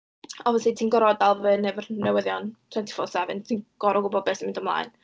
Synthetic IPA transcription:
ɔvəsiːtʰiːnɡɔɾɔdalˠvənɛvərnɛwəðjɔntʰwɛntʰi̥fɔ̰sɛvɨ̰ntʰiːnɡ̥ɔɾɔɡʊbɔd̚bɛsmɪndɔmlˠa̰ːɨn

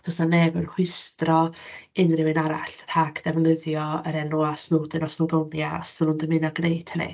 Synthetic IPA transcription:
d̥ɔsanːɛbənhwɪstrɔɪnrɪwɪnaɾaɬhaɡʰd̥ɛvlɪðjɔəɾɛnuasnuːdɛnɔsnodɔnjaɔ̰sənʊndəmɪnɔɡnejtʰhənḭ

